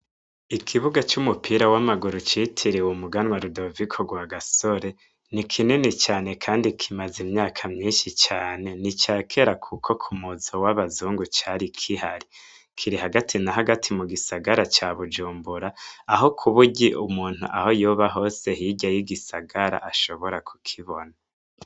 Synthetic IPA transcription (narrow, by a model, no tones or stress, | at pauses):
ikʰiβuɡat͡ʃumupʰiːɾawamaɡuɾut͡ʃitʰiɾewumuɡanwaɾudovikʰoɡwaɡasoɾe̞ | nikʰinenit͡ʃaːne̞kʰaːndikʰimazimɲaːkʰamɲiːnʃit͡ʃaːne̞nit͡ʃaːkʰe̞ɾakʰukʰo̞kʰumuzowaβazuːŋɡut͡ʃaɾikʰihaɾi | kʰiɾiɦaɡatʰinaɦaɡatʰimuɡisaɡaɾat͡ʃaβud͡ʒuːmbuɾaaɦo̞kʰuβuɟiʔumuːn̥hṵʔa̰ho̞joβaɦo̞ːse̞hiɟajiɡisaɡaɾa̰ʔaʃo̞βo̞ɾakʰu̥kʰiβo̞na